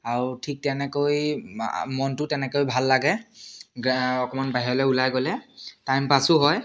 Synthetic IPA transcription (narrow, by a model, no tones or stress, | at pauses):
aɹutʰik̚tɛnɛkoj̰ | mɔntʊtɛnɛkojbʱalːaɡɛ | ɔkɔmanbaɦiɔlɛulajɡɔlɛtajmpasʊɦɔj